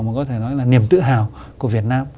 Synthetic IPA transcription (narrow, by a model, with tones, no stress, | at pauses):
maː˨˩kɔ˨˦t̪ʰe˧˩nɔ˨˦jlaː˨˩ni˨˩əmt̪ɨ̰˧˨ɦaː˨˩w | ku˧˩əvi˨˩ət̚naː˧m